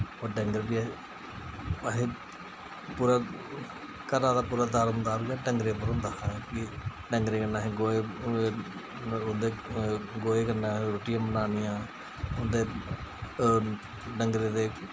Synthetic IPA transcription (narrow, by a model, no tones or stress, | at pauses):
oːɖəŋɡəɾbi | ɦe | puːɾaː | kəɾaːd̪aːpuːɾaːd̪aːɾmnd̪aːbiaɖəŋɡɾeːpəɾɦʊnd̪aːɦãːkɪɖəŋɡɾeːkənaːɦẽɡoːeː | ʊnd̪eːɡoːeːkəɾnaːɾoːʈɪjãːbənaːnɪjãː | ʊnd̪eː | ɖəŋɡɾeːd̪eː